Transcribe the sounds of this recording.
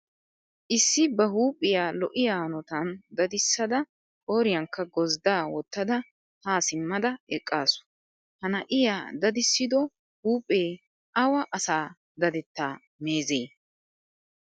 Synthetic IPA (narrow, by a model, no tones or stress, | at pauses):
ʔɪsːɪbɐɦuːpʼːɪjaːlɔʔɪjaːnɔt̪ɐnd̪ɐd̪ɪsːɐd̪ɐ | ʔoːɾɪjɐŋkːɐɡɔzd̪aːwɔt̪ːɐd̪ɐ | haːsɪmːɐd̪ɐɛkʼːaːsʊ̥ | hɐnɐʔɪjaːd̪ɐd̪ɪsːɪd̪ɔ | huːpʼːeː | ʔɐwɐʔɐsaː | d̪ɐd̪ɛt̪ːaː | me̞ːzeː